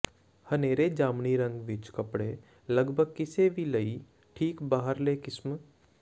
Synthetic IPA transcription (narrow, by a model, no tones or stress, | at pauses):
hɐneːɾed͡ʒaːmniɾə̃ŋɡʋɪt͡ʃkɐpɽe | lɐɡbʱəɡ̚kɪsebʱilɐi | ʈʰiːkbaːɦəɾlekɪsm